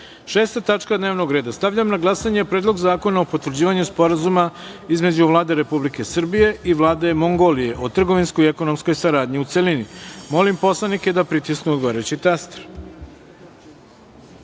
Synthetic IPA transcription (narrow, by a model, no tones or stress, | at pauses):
ʃe̞ːst̪at̪at͡ʂkad̪neʋnoɡɾe̞ːd̪ast̪aʋʎamnaɡlˠasaɲe̞pɾeːd̪lo̞ɡzaːko̞naopot̪ʋɾd͡ʑiːʋaɲuspo̞ɾazumaizme̞d͡ʑuʋlˠaːd̪e̞ɾe̞publike̞sr̩bije̞ʔiʋlˠaːd̪e̞mo̞ŋɡo̞lije̞ʔot̪r̩ɡo̞ʋinskojeko̞no̞msko̞jsaɾaːd̪ɲiut̪selinimo̞limpo̞slˠanike̞d̪apɾit̪isknuod̪ɡoʋaɾet͡ɕit̪ast̪ɾ